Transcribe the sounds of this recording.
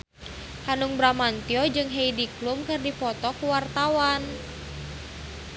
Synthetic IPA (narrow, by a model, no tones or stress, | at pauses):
hanuŋbɾamant̪iɔd͡ʒɨŋɦeidiklumkɨrdipɔt̪ɔkuwart̪awan